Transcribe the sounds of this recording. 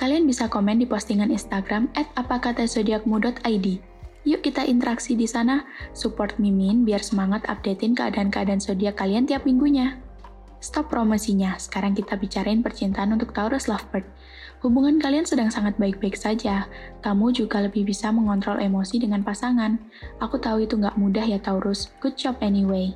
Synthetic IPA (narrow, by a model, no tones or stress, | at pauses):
kalianbisakomɛndipɔst̪iŋaninst̪aɡɾamɛt̪̚apakat̪asodiakəmudɔt̪ʰajdi | juʔkit̪aʔint̪əɾaksidisanasupɔrt̪̚mimɪnbiarsəmaŋat̪a̰p̚det̪ɪnkəa̰daːnkəadaːnsodiakaliant̪iap̚miŋɡuɲa | st̪ɔpːɾomosiɲasə̥kaɾaŋkit̪abit͡ʃaɾaɪnpərt͡ʃint̪aːnunt̪ʊk̚t̪auɾʊslafbərt̪̚ | hubuŋankaliansədaŋsaŋat̪̚baɪk̚baɪksad͡ʒakamud͡ʒuɡaləbɪhbisaməŋɔnt̪ɾɔlʔemosidəŋanpasaŋan | ʔakut̪auit̪uŋɡaʔmudahjat̪auɾʊsɡ̥ut̪̚t͡ʃɔpɛniwej